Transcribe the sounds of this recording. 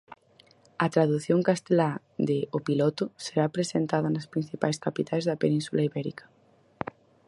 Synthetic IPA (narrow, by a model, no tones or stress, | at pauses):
ɐt̪ɾaðuθjoŋkast̪ela | d̪eopilɔt̪ʊseɾapɾesent̪aðɐnaspɾin̟θipajskapit̪ʰajzðɐpenĩnsulaiβɛɾḭkɐ̥